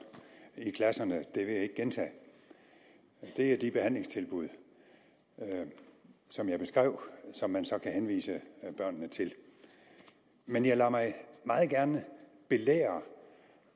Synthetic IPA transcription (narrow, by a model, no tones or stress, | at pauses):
ikʰlæsɐnəd̥e̝ʋe̝jae̝ɡ̥ɡ̥ent͡sʰɛ̰ː | d̥e̝æd̥ib̥e̝hæn̰le̝ŋst͡sʰe̝lb̥uð̞̰ˠ | sɒ̽mjɑ̈ɪb̥e̝sɡ̥ʁɛʊ̰sɒ̽mːænsɒ̽kʰæɦenʋḭːsəb̥ɶɐ̰nːət͡sʰe̝l | menjɑ̈ɪlɑmɑ̈ɪmɑ̈ːð̩ˠɡ̥æɐnə | b̥e̝lḛːɐ